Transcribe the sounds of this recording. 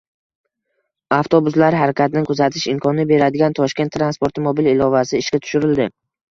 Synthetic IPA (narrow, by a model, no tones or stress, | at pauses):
aft̪ʰobʊzlaɾɦaɾakʲʰat̪ɪnɪkʰʊzat̪ʰɪʃɪmkʰɒnɪbe̞ɾad̪ɪɡʲant̪ʰɒʃkʲet̪ːɾanspoɾt̪ʰɪmobilɪlɒvasɪɪʃkʲat̪ʰʊ̥ʃʊɾɪld̪ɪ